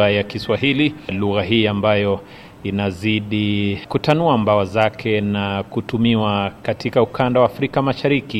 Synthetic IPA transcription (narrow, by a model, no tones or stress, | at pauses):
ajakiswaɦililuɣaɦiːambajɔ | inaziɗikutanuambawazakʰɛnakutumiwakatikaukʰandawaːfɾikamaʃaɾiki